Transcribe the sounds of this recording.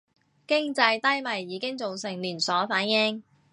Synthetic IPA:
kɪ˥ŋt͡sɐ˧jt̪ɐ˥jmɐ˨˩jːiː˨˧˥kɪ˥ŋt͡so˨wsɪ˨˩ŋliː˨˩nsɔː˨˥faː˨˥njɪ˥ŋ

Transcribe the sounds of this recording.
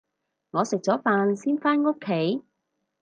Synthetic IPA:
ŋɔː˨˧sɪ˨k̚t͡sɔː˨˥faː˧nsiː˥nfaː˥nŋo˥kʰːe˨˥j

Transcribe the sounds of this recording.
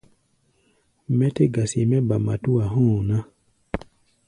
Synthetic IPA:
mɛ˦te˦ɡa˨si˨mɛ˦ba˨ma̰˨tu˦a˨ɦũ˦˨nã˦

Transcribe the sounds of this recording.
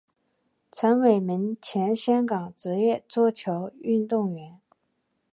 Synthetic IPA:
t͡sʰə˧˥nwe˨˩ɪmi˧˥ŋt͡ɕʰjɛ˧˥nɕjɑ˥ŋkɑ˨˩ŋt͡sɻ̩˧˥jɛ˥˧t͡swɔ˥˩t͡ɕʰjo˧˥ʊy˥˧nt̪ʊ˥˩ŋɥɛ˧˥n

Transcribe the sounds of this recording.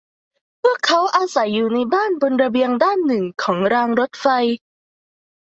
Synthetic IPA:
pʰɯ˥˩əkʰːa˦˥wʔaː˧sa˩˦jːuː˨˩na˧jbaː˥˩nbo˧nɾa˧bi˧əŋdaː˥˩nːɯ˨˩ŋkʰɔː˩˦ŋɾaː˧ŋɾo˦˥t̪̚fa˧j

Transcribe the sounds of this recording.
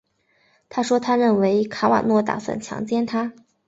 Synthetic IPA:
t̪ʰa˥ʂwɔ˥t̪ʰa˥ɻə˥˩nwe˧˥ɪkʰa˧˥wa̰˨˩nwɔ˥˩t̪a̰˨˩swa̰˥˩nt͡ɕʰjɑ̰˧˥ŋt͡ɕjɛ˥nt̪ʰa˥

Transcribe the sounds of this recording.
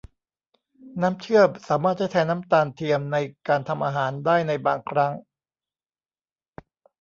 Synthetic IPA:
naː˦˥mt͡ɕʰɯ˥˩əp̚saː˩˦maː˥˩t̪̚t͡ɕʰha˥˩jt̪ʰɛː˧˥naː˦˥mt̪aː˧nt̪ʰi˧əmna˧jkaː˧nt̪ʰa˧mʔaː˧ɦaː˩˦ndaː˥˩jna˧jbaː˧ŋkʰɾa˦˥ŋ

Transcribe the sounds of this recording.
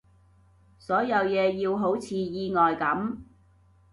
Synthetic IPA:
sɔː˨˥jɐ˨˧wjɛː˨˧jiː˧wɦo˨˥wt͡sʰiː˨˧jiː˧ŋɔː˨jkɐ˨˥m

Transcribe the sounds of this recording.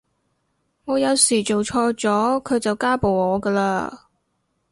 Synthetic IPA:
ŋɔː˨˧jɐ˨˧wsiː˨˩t͡ʃo˨wt͡ʃʰɔː˧jt͡sɔː˨˥kʰɵ˨˧ɥt͡sɐ˨wkaː˥po˨wŋɔː˨˧kəː˧la̰ː˧

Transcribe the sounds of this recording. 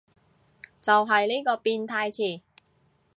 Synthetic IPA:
t͡sɐ˨wɦɐ˨jliː˥kɔː˧piː˧nt̪ʰaː˧jt͡sʰiː˨˩

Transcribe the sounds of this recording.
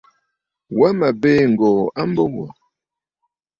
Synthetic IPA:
wa˦ma˨beː˦ŋ̩˨ɡɔ˨a˦m̩˦bo˦wɔ̰˨

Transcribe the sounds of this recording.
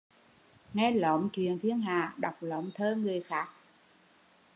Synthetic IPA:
ŋɛ˧lə̰˧˨˦wŋ͡mt͡ɕwḭ˧˨ənt̪ʰi˧ənɦaː˧˨˩ɗa˨˩wk͡p̚lə̰˧˦wŋ͡mt̪ʰəː˧ŋɨ˨˩əjxaː˦˥k̚

